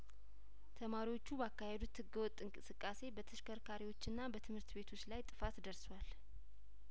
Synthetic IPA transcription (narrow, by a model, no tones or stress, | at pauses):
t̪ʰəmaɾiwo̞t͡ʃːubakːahe̞d̪ut̪hɨɡəwɔt̪ʼːɨŋkʼɨsɨkʼːase̞bət̪ʰəʃkəɾkʰaɾiwo̞t͡ʃːɨnːabət̪ʰɨmhɨɾt̪be̞t̪ʰo̞t͡ʃːlajt̪ʼɨfat̪d̪əɾswal